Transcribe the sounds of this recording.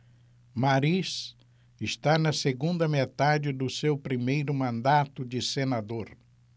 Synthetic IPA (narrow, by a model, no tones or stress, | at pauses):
maɾis | ɪʃt̪anɐseɡũnd̪ɐmet̪ad͡ʒɪd̪ʊsewpɾimejɾʊmɐ̃nd̪at̪ʊd͡ʒɪsenad̪oɾ